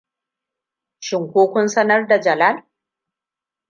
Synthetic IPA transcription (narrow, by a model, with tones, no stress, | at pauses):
ʃɪ˨ŋkʷoː˦kʷʊ˦nsɐ˦nɐ˦rda˨d͡ʒɐ˨la˦l